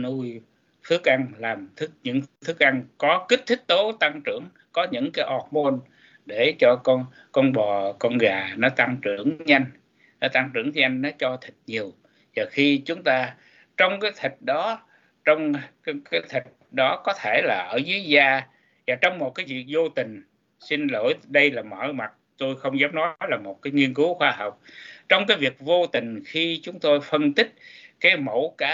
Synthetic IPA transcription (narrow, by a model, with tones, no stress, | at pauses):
nu˧j | t̪ʰɨ˨˦˥ək̚ʔa˧ŋlaː˨˩mt̪ʰɨ˦˥k̚ɲɨ̰˧˥ŋt̪ʰɨ˦˥k̚ʔa˧ŋkɔ˨˦ki˦˥t̪ʰï˦˥k̚t̪o˨˦t̪a˧ŋt͡ɕɨ˧˩əŋ | kɔ˨˦ɲɨ̰˧˥ŋkaː˨˦jʔɔ˨˩t̚mo˧n | ɗe˧˩t͡ɕɔ˧kɔ˧ | kɔ˧nɓɔ˨˩kɔ˧nɣaː˨˩nɔ˨˦t̪a˧ŋt͡ɕɨ̰˧˩˨əŋɲa˧jŋ̟ | nɔ˨˦t̪a˧ŋt͡ɕɨ̰˧˩əŋ˧ɲa˧jŋ̟nɔ˨˦t͡ɕɔ˧t̪ʰï˨˩k̟̚ɲi˨˩əw | zaː˨˩xi˧t͡ɕʊ˨˦ŋ͡mt̪aː˧ | t͡ɕɔ˧wŋ͡mkaː˨˦jt̪ʰï˨˩k̟̚ɗɔ˨˦ | t͡ɕɔ˧wŋ͡mkaː˨˦jt̪ʰï˨˩k̚ɗɔ˨˦kɔ˨˦t̪ʰe˧˩laː˨˩ʔəː˧˩zɨ˨˦əzaː˧ | zaː˨˩t͡ɕɔ˧wŋ͡mmo˨˩t̚kaː˨˦jvi˨˩ək̚zo˧t̪ï˨˩ŋ̟ | si˧nlo̰˧˩jɗə˧jlaː˨˩mɔ̰˧˩jma˨˩t̚t̪o˧jxə˧wŋ͡mzaː˨˦m̚nɔ˨˦jlaː˨˩mo˨˩t̚kaː˨˦jŋi˧ənku˨˦xwaː˧ɦɔ˨˩wk͡p̚t͡ɕɔ˧wŋ͡mkaː˨˦jvi˨˩ək̚vo˧t̪ï˨˩ŋ̟xi˧t͡ɕʊ˨˦ŋ͡mt̪o˧jfə˧nt̪ï˦˥k̟̚kaː˨˦jmo˧˩wkaː˨˦